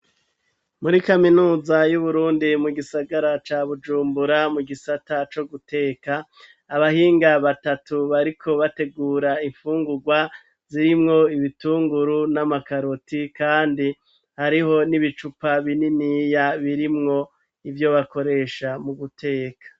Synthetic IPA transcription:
muɾikaminuːzajuβuɾuːndimuɡisaɡaɾat͡ʃaːβud͡ʒuːmbuɾamuɡisatat͡ʃo̞ɡute̞ːkaː | βahiːŋɡaβatatuβaɾikʰo̞βate̞ɡuːɾaiɱfuːŋɡuɡwa | z̥iɾimŋo̞iβituːŋɡuɾunamakaɾotikaːndi | haɾiho̞niβit͡ʃupaβininijaβiɾimŋo̞ | ivjo̞βako̞ɾe̞ʃamuɡutʰe̞ːkʰḁ

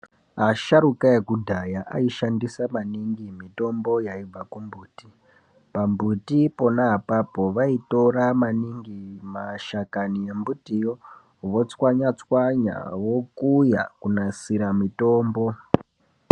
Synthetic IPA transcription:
aʃaɾukajekudʱajaʔa̰iʃandisamaniŋɡimito̞mbo̞jaib͡vakumbuːti | pambutipo̞naɦapapo̞ʋaito̞ɾamaniŋɡimaʃakanie̞mbutijo | ʋo̞t͡swaɲat͡swaɲa̰wo̞kuja̰kunasiɾamito̞ːmbo

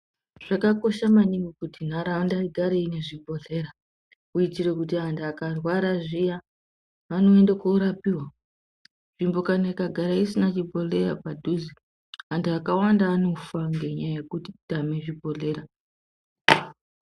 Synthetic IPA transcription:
ʐ̥akako̞ʃamaniŋɡokutin̤aɾaandaiɡʱaɾeine̞ʐibʱo̞ɮe̞ɾa | uitiɾe̞kutiandaːkarwaɾaʐijaː | no̞endakouɾapiwa | ʐ̥imbo̞kanaikaɡʱaɾaisinat͡ʃibʱo̞ɮe̞ra̰padʱuzi | anduakawandaːno̞faŋɡe̞ɲajajekuti̥tameʐibʱo̞ɮe̞ɾa

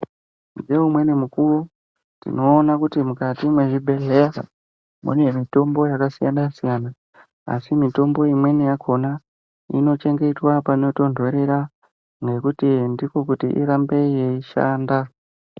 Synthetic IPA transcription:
ndeumwe̞nemukuro | tḭno̞ːnakutimukatimweʐibe̞ɮe̞a | mṵnwe̞mito̞mbo̞jakasijanasijana̰ː | simito̞mbo̞imwe̞nijakʰo̞na | ḭno̞t͡ʃe̞ŋɡe̞twapaino̞to̞ndʱo̞ɾe̞ɾa | ŋɡe̞kutindiko̞kutiʔḭɾambe̞jeiʃa̰ːnda

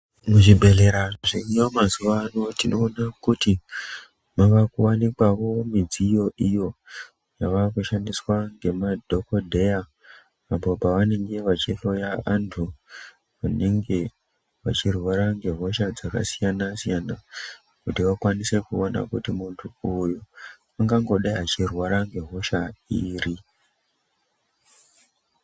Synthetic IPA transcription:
muʐibʱe̞ɮeɾaʐʐiijomazuʋanotino̞ːnakuti | maʋakuwanikwaʋo̞mid͡zijo̞ʔijo̞ | jaʋakuʃandiswaŋɡe̞madʱo̞kodʱe̞jaː | po̞paʋane̞ŋɡe̞ʋat͡ʃiɬo̞jaantʰu | ʋane̞ŋɡe̞ | ʋa̰t͡ʃirwaɾaŋɡe̞ɦo̞ʃad͡zaka̰sijanasijana | kutiʋakwanise̞kuona̰kutimuntʰuuju | aŋɡaŋɡo̞ɗaiɦat͡ʃirwaɾaŋɡe̞ɦo̞ʃaiːri

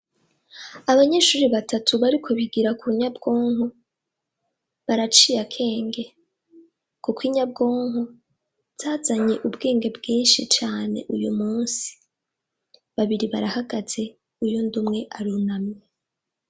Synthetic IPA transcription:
aβaɲe̞ʃuːɾiβatʰatʰuβaɾikʰo̞βiɡiɾakuuɲabɡo̞ːŋu | βaɾat͡ʃiːjakʰe̞ːŋɡe̞ | kukwiɲab̚ɡoːŋu | z̥aːzaɲe̞ʔubɡe̞ːŋɡe̞bɡiːnʃit͡ʃaːne̞̰ʔujumuːnsi̥ | βaβiɾiβaɾahaɡaz̥e̞ | ujundumŋe̞ʔaɾunamɲe

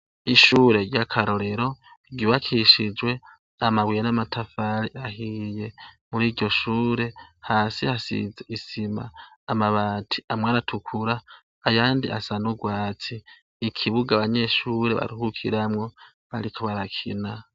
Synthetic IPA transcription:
iʃuːɾe̞ɾɟakʰaɾo̞ɾe̞ɾo̞ | ɟuβakʰiʃid͡ʒwe̞ | amawijenamatʰafaɾiahije̞muɾiːɟɟo̞ʃuːɾe̞haːsihasḭzeisima̰ːmaβaːtʰi̥amwaɾatʰukʰuɾaː | jaːndiʔa̰sanuɡwaːt͡siː | kʰiβuɡaβaɲe̞ʃuɾeβa̰ɾuhukʰiɾamŋo̞ | βaɾikʰoβaɾakʰḭna

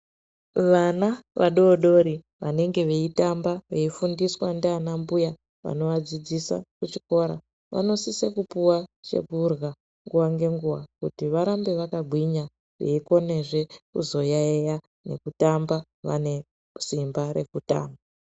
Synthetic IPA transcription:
ʋanaʋaɗo̞ɗo̞ɾi | ʋane̞ŋɡe̞ʋe̞itambaʋe̞ifundiswandeanambuja | ʋa̰no̞ʋad͡zid͡zisa̰kut͡ʃiko̞ɾa̰ | ʋʔa̰no̞sisekupuwat͡ʃe̞̰purɣa | ŋɡuwaŋɡe̞ŋɡuwakutiʋaɾambe̞ʋakabʱwiɲa | ʋḛiko̞ne̞ʐe̞kṵzo̞jaeja | ne̞̰kutamba | ʋa̰ne̞ | simbaɾe̞kuta̰ːmba

